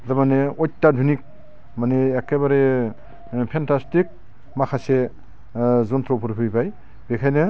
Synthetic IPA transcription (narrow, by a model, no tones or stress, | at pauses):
damaneɔjtːadʱunik̚ | maneːkːebaɾe | pʰentastik̚ | makʰase | zɔntʰɾɔpʰuɾpʰɯpaj | bekʰajnɯ